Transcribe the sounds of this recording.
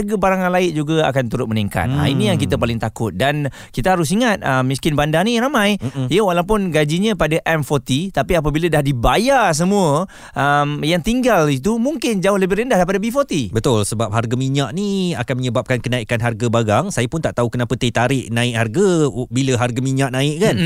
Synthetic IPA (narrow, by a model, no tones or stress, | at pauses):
rɡəbaɾaŋanlaɪʔ̪̚d͡ʒuɡaa̰kant̪uɾʊt̪̚məniŋka̰t̪̚a̰inijaŋkit̪əpalɪŋt̪akʊt̪̚dan | kit̪əɦaɾʊs̬iŋat̪̚əmːiskɪnbandanĩɾamãjjəwalawp̬ʊnɡad͡ʒiɲə̃padaʔɛmfɔt̪it̪apiap̬əbilədahdibajars̬əmũə | ʔəmjaŋt̪iŋɡalit̪̬umuŋkɪnd͡ʒaʊhləbɪhrəndahdajpadəbifot̪ibət̪ʊlsəbap̚ɦarɡamiɲaʔniakanməɲəbap̚kankənaikanɦarɡabaɡaŋsajəpʊnt̪aʔt̪aukənapət̪ət̪aɾɪʔnãɪk̚harɡabiləɦarɡamiɲaʔnãɪʔ̚kan